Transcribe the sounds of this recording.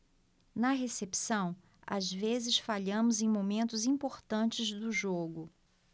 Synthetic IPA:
nɐɦesepsɐ̃w̃ | a̰zvezɪsfaʎɐ̃mʊzẽj̃momẽnt̪ʊzĩpoɾt̪ɐ̃nt͡ʃɪzd̪ʊʒoɡʊ

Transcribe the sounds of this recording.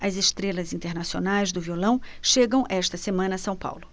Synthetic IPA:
ɐzeʃt̪ɾelɐzĩnt̪eɾnasionajzd̪ʊviolɐ̃w̃ʃeɡɐ̃w̃ʔɛʃt̪ɐsemɐ̃nɐːsɐ̃w̃pa̰wlʊ

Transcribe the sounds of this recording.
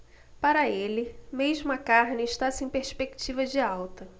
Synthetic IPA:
paɾɐelɪmeʒmʊɐkaɾnɪːʃt̪asẽj̃peɾspeki̥t͡ʃivɐd͡ʒɪawt̪ɐ

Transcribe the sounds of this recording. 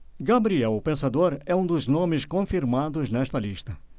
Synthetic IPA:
ɡabɾiɛwʊpẽsad̪oɾɛũd̪ʊznõmɪskõfiɾmad̪ʊznɛʃt̪ɐliʃt̪ɐ

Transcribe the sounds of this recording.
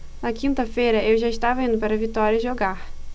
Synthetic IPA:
nɐkĩnt̪ɐfejɾɐewʒaiʃt̪avɐĩnd̪ʊpaɾɐvit̪ɔɾiɐʒoɡaɾ

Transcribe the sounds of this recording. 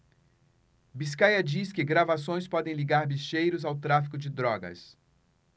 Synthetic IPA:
biskajɐd͡ʒiskɪɡɾavasõj̃spɔd̪ẽj̃liɡaɾbiʃejɾʊzawt̪ɾafikʊd͡ʒɪd̪ɾɔɡɐ̰s

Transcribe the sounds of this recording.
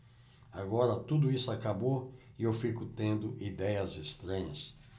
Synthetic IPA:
aɡɔɾɐt̪ud̪ʊisʊakabo | ɪewfikʊt̪ẽnd̪ʊʔid̪ɛjɐzest̪ɾɐ̃ɲɐs

